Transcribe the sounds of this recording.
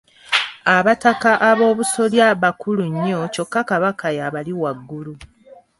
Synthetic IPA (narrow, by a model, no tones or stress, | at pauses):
aβatakaʔaβo̞ːβuso̞ljaβakuluɲːo̞co̞kːakaβakʰajaβaliwaɡːulu